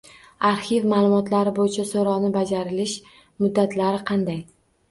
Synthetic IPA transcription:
aɾhɪvmaːlˠʊmɒt̪laɾɪbojɪt͡ʃʰasoɾɒnɪbad͡ʒaɾɪlɪʃ | mʊd̪ːat̪ʰlaɾɪqʰɑnd̪aj

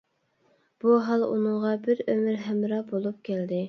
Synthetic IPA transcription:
b̥uɦɑlˠṵnɨŋʁɑbɪɾømɪɾɦɛmɾɑbolˠup̚kʲʰæld̪ɪ

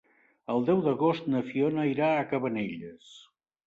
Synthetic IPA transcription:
əlˠd̪ɛwðəɣost̪̚nəfionəiɾaːkəβəneʎəs

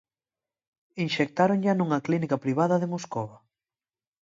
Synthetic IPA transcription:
inʃek̚t̪aɾoŋʎanũŋɐklinikɐpɾiβ̞aðɐðemoskoβɐ

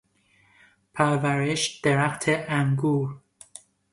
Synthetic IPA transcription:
pʰæɾvæɾeʃd̪̥eɾæxt̪ʰeʔæŋɡuːɾ

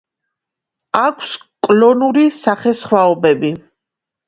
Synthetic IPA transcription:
akʷʰs | kʼlɔnuɾisaχɛsχwaɔbɛbi

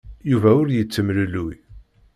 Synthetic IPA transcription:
juvæʊɾjət͡sːəmlluj

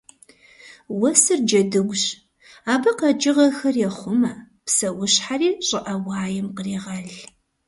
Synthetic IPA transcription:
wɐsɨrd͡ʒɐdɨɡʷɕ | aːbɐqɐd͡ʒɪʁɐxɐrjɛχʷʊmɐ | psɐwʊɕħariːɕʼɪʔɐwɑːjɛmqəriːʁɐɮ

